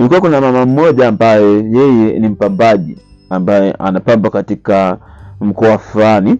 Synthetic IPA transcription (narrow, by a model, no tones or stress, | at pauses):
nilikuwakunamamam̩ɔʄaːmbajɛjɛjɛnim̩pambaʄḭ | ambajɛʔanapambakatikam̩kɔwawafulani